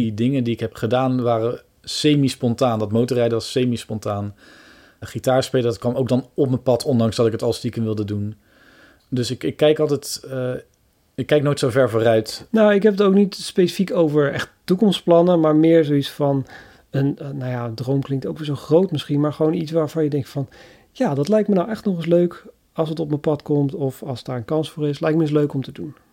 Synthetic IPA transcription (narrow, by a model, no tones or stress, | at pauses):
idɪŋəndiɪkɦɛpχədaːnʋaːrə | sejmispɔntaːndɑtmowtərɛjdəʋɑsːejmispɔntaːn | χitaːɹspejlədɑt̚kʋɑmowɡdɑnɔpməpɑtʰɔndɑŋzdɑtɪkətɑlˠstikənʋɪlˠdədun | dɵsɪkɪkːɛjkɑlˠtɛjt | ɪkːɛjk̚nojtsowvɛɹvoːrœɥtnawɪkɦɛpətowknitspejsə̥fikowvəɹɛ̰χttukɔmstsplɑnəmaːɹmɪːɹzowisfɑn | ənnawjaəndrowmklɪŋk̚towkʋɪːzowχrowtmɪsχinmaːɹχəʋownitsʋaːɹv̥ɑnjədɛŋktfɑn | jaːdɑtlɛjk̚tmənawʔɛχtnɔχɪsløɥk | ɑlˠsətɔpməpɑtkɔmtɔfɑlˠsdaːɹənkɑnsfʊːɹɪslɛjk̚məɪs̬løɥkɔmtədun